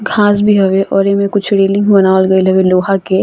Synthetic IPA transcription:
ɡʱaːsbʱiɦɐʋeʔɔːɾemẽkʊt͡ʃʰɽeːlɪ̃ŋɡbɐnaːʋlɡɐilɐʋeloːɦake

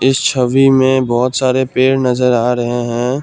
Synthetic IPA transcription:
ɪst͡ʃʰəʋimẽbɔːt̪saːɾepeːɾnɐzəɾaːɾɐɦeɦɛ̃ː

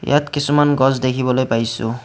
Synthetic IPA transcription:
jʔa̰tkisumanɡɔzdekʰibɔlojpajsʊ̰

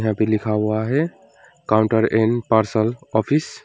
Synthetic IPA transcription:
ɦãpelikʰabaɦe | kaʊɳʈəɾenpaɾsəlɔpʰis

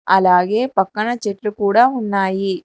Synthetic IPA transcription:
ɐlaːɡe̞ːpɐkːɐɳɐt͡ʃeʈlukuːɽaːunːaːji

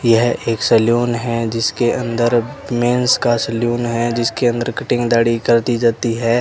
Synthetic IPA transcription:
jɐɦeːksɐljuːnɦɛd͡ʒɪskeʔɐ̃nd̪əɾmẽːnskasɐljuːnɦɛd͡ʒɪskeɐ̃nd̪əɾkɐʈɪ̃ŋɡd̪aːɽikɐɾt̪id͡ʒaːt̪iɦɛː

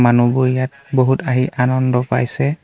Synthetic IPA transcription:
manuboijat̚ | boɦutaɦiʔanɔndɔpa̰jsɛ

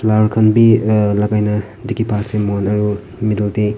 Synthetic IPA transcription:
lawɾkʰɐnbilaɡajnɐ | dikipʰasemonɐɾu | midɐlde

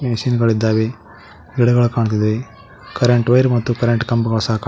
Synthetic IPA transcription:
mɐsiːnɡɐɭid̪ːaːʋe | iɽɐɡɐɭkaːɳt̪̬id̪e | kɐɾeɳʈʋɐjɾmɐt̪ːukɐɾeɳʈkɐmbkɐːsaːkː

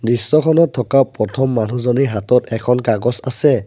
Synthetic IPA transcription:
disːɔkʰɔnɔtʰːɔkapɹɔtʰɔmːanuzɔniɹɦatɔtɛkʰɔnkaɡɔsa̰sɛ

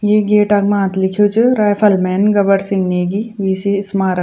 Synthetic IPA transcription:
jeːɡeːʈɐɡmãːt̪lɪkʰijot͡ʃʰɨɾaːfʰəlmɛːnɡɐbəɾsɪ̃ŋɡneːɡiʋiːsiɪsmaːɾ

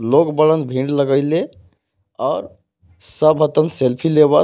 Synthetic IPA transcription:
lokbələnbʱĩɖləɡəɪle | ɔːɾ | səbɦət̪ənselpʰileβə

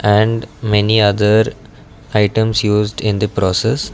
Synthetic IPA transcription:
ʔɛ̃ɳɖmɛniʌd̪əɾ | aɪʈə̃msjuːzɖɪ̃nd̪əpɾɔːses

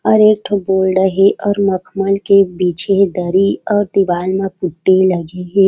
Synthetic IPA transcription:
ɔːɾeːk̚ʈʰboːlɾəɦeʔɔːɾməkʰməlkebiːt͡ʃed̪əɾiɔːɾd̪ɪʋaːlmãpʊʈːelɐɡeɦe

